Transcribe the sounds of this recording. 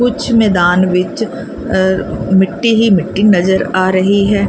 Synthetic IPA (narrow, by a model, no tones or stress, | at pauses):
kʊt͡ʃʰmɛːd̪aːnʋɪt͡ʃ | mɪʈːiɦimɪʈːinɐzəɾaːɾɐɦiɦɛː